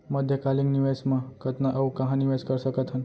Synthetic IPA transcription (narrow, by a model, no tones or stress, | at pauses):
məd̪ʱjəkalikniʋesmãkət̪naʔɐukɐ̃ɦãniʋeskəɾsəkət̪ɦən